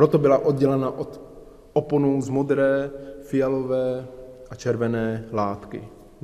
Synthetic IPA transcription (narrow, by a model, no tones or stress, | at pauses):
ɾot̪obɪlaʔod̪̚ɟɛlɛnaʔot̪ | ʔoponowzmod̪ɾɛːfɪjalovɛːʔat͡ʃɛɾvɛnɛːlaːt̪kɪ̰